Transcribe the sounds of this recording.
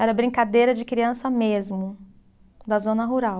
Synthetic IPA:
ɛɾɐbɾĩŋkad̪ejɾɐd͡ʒɪkɾiɐ̃sɐmezmʊ | d̪ɐzõnɐɦuɾaw

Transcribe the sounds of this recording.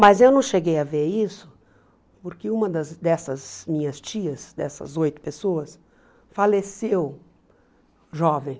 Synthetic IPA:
mɐzewnɐ̃w̃ʃeɡejɐveɾisʊ̥ | poɾkɪũmɐd̪ɐzd̪ɛsɐzmĩɲɐst͡ʃiɐsd̪ɛ̰sɐ̰zojt̪ʊ̥pesoɐs | falesew | ʒɔvẽj̃

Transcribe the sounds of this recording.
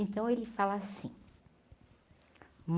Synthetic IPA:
ẽnt̪ɐ̃w̃elɪfalɐasḭ̃ | m

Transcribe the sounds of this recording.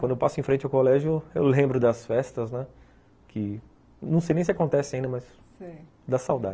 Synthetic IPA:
kwɐ̃d̪ewpasʊẽfɾẽnt͡ʃɪawkolɛʒʊʊḛwlẽmbɾʊd̪ɐsfɛst̪ɐznɛ | kʰɪ | nɐ̃w̃sejnẽj̃sɪakõnt̪ɛsɪaĩd̪ɐmɐz | si | d̪ɐsawd̪a

